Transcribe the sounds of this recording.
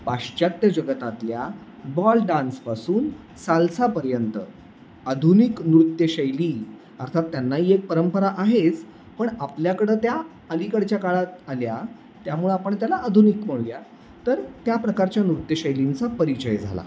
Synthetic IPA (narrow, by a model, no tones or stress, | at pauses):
paʂt͡ɕat̪jəd͡ʑəɡət̪at̪lja | bɔlɖanspasuːn | salsapəɾjənt̪ə | ad̪ʱuniknɾut̪ːjəɕəjliː | əɾt̪ʰat̪ːjanːaɦiːek̚pəɾəmpəɾaʔaɦet͡s | pəɳapljakəɽet̪ja | əlikəɽt͡ɕjakaɭat̪alja | t̪jamuɭeapəɳt̪jalaʔːd̪ʱunikm̤əɭlja | t̪əɾt̪japɾəkaɾt͡ɕjanɾut̪jəɕəjlint͡sapəɾit͡ɕəjd͡zʱa̰la̰